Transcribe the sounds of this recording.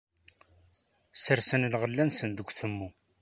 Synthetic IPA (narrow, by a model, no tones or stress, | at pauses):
səɾsənlʁəlːænsənd̪əɡʷθəmːu